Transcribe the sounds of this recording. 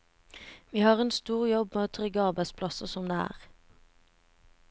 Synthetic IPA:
ʋiːhɑːʁeːnst̪uːʁjɔbmeːoːt̪ʰʁʏɡəɑʁbæɪt̪spʰlɑsəsɔmd̪eːæ̰ːʁ

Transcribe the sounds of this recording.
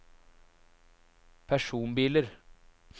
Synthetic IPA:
pʰæʂuːnbiːləɾ

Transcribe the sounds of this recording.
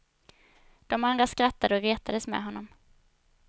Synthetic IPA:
d̪̥ɔmand̪ɾaskɾat̪ːad̪əɔɾeːt̪ʰad̪əsmɛ̰ɦɔnːɔm

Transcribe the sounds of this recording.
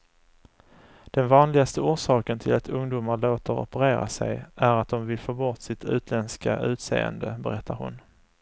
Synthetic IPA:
d̪̥ɛnvɑːnlɪɡast̪əuːʂɑːkənt̪ʰɪlat̪ɵŋd̪uːmaɭoːt̪əɾɔ̰pəɾeːɾa̰sɛ̰jʔæɾat̪̚d̪ɔmvɪlfoːbɔt̪sɪt̪ʰʉ̟ːt̪ʰlɛnskaʔʉ̟ːt̪sḛːə̰nd̪əbɛɾɛt̪ʰːaɾhʊ̰n

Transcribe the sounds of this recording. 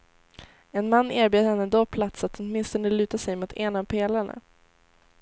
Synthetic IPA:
ɛnmanːeːɾbjeːd̪əhɛnːəd̪opʰlat̪sat̪hɔt̪mɪnst̪ɔnəlʉ̟ːt̪asɛjmut̪ʰeːnapʰeːlaɳa̰

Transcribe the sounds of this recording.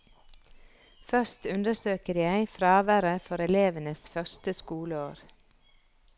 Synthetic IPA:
fœst̪ʉnd̪əsøːkəɾjæɪfɾɑːʋæɾəfɔɾɛleːʋənəsfœʃtəskuːləoːɾ

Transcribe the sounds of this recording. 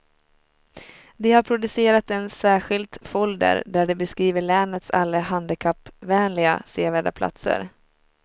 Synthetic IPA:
d̪ɛhaɾpʰɾʊd̪ɵseːɾat̪ɛnsæːɧɪlt̪fɔld̪ə̰ɾɖ̪æɖɛbɛskɾiːvəɭɛːnət̪sa̰lːəɦand̪əkʰapːvɛːnlɪɡa̰seːvæːɖa̰pʰla̰t̪sə̰ɾ

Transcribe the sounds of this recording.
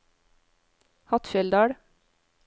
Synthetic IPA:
hɑt̪fɛld̪ɑːɽ

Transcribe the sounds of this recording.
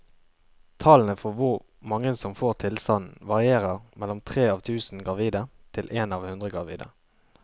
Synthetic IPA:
t̪ʰɑlnəfɔʁʋʊʁ | mɑŋːəsɔmfoːʁt̪ʰɪlst̪ɑnn̩ʋɑʁɪeːʁəʁmɛlːɔmt̪ʰʁeːɑːʋt̪ʰʉːsn̩ɡʁɑʋiːd̪ət̪ʰɪlʔeːnɑːʋhʉnd̪ʁəɡʁɑ̰ʋḭːd̪ə̰

